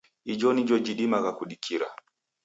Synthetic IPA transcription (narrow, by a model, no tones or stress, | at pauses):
id͡ʒɔnid͡ʒɔd͡ʒiɗimaɣakuɗikʰiɾa̰